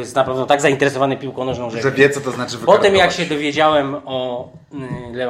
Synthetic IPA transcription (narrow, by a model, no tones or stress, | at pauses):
jɛst̪napɾavd̪ɔt̪aɡzaint̪ɛɾɛsɔvanɛpʲiwkɔ̃nɔʐnɔ̃w̃ʐɛʐɛbʲjɛt̪sɔt̪ɔznat͡ʂɨvpɔt̪ɛmjakɕɛd̪ɔvʲjed͡ʑawɛmɔ | lɛv